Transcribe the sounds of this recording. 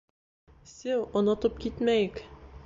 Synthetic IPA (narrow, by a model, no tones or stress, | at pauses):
sɘwŏnŏt̪ɤp̚kit̪mæjɘk